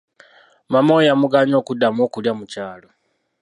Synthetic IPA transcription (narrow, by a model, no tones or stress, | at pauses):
mamojamuɡaɲo̞ːkudamoːkuljamucaːlo